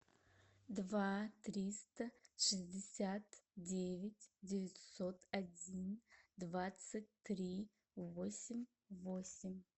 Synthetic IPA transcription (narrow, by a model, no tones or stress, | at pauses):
d̪vat̪ɾʲist̪ɐʂɨzʲdʲɪsʲat̪dʲevʲɪtʲdʲɪvʲɪtʲsot̪ʰadʲind̪vat̪sɨtʲt̪rʲi | vosʲɪmʲ | vo̞sʲɪmʲ